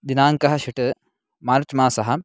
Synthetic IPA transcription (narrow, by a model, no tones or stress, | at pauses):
d̪inaːŋkɐɦɐʃiʈɨ | maːɾt͡ʃmaːsɐɦɐ